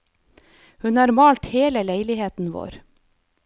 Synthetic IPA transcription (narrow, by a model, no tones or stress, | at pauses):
hʉnɑːɾmɑːlt̪heːləleɪlɪheːt̪n̩ʋo̰ːɾ